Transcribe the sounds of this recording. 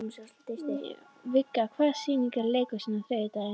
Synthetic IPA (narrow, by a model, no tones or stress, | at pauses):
vɪkːakʰvaːsiːniŋkaɾlejkɔsiːnaθœt̪a